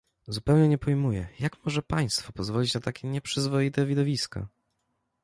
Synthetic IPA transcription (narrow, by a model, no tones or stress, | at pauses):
zupɛwɲɛɲɛpɔjmujɛ̰jakmɔʐɛpaj̃st̪fɔpɔzvɔlʲit͡ɕnat̪akʲʰɛɲɛpʂɘzvɔjit̪ɛvʲid̪ɔvʲiska̰